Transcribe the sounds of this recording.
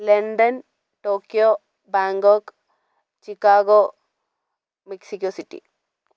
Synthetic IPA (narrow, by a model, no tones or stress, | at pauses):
leɳɖɐn | ʈoːkːjo | baːŋɡok | t͡ɕikːaːɡo | miksikʲːoːsiʈːḭ